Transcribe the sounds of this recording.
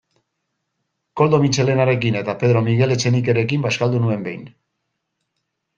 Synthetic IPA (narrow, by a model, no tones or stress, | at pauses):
ko̞ld̪o̞mit͡ʃe̞le̞naɾe̞kine̞t̪ape̞ð̞ɾo̞miɣ̞e̞le̞t͡ʃe̞nike̞ɾe̞kimbaskald̪unue̞mbe̞jn